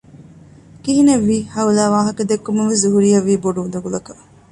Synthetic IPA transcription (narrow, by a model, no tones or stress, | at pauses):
kiɦineʋːiːhɐulæːʋaːɦɐkɐd̪ekːumuʋesuɦuɾijɐʋːiːboɖuːd̪ɐɡulɐkɐ